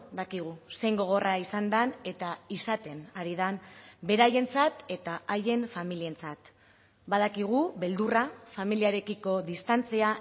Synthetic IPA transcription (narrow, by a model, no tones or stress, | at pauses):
d̪akiɣ̞use̞jŋɡo̞ɣ̞o̞raisand̪ane̞t̪aisat̪e̞naɾið̞anbe̞ɾaje̞nt͡sat̪e̞t̪aaje̞ɱfamilie̞nt͡sat̪ | baðakiɣ̞uβe̞ld̪urafamiliaɾe̞kiko̞ðist̪ant͡sia